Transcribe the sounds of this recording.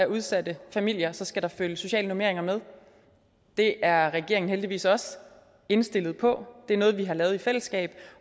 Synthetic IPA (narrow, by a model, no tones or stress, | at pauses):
æʔuð̞ˠsæd̥əfæmil̰jɐsɒ̽sɡ̥æɾ̥ɑ̈føljəso̝ɕɛ̰ːlənome̝ɐe̝ŋɐmeð̞ˠ | d̥e̝ʔæɐʁɛɡ̥e̝ɐeŋn̩held̥iʋḭːsɒ̽s | e̝nsd̥e̝lð̩ˠpʰɒ̽d̥e̝æɐnɔ̽ːð̞̩ˠʋiɦɑ̈lɛːʊðˠifel̰əsɡ̥ɛ̰ːb̥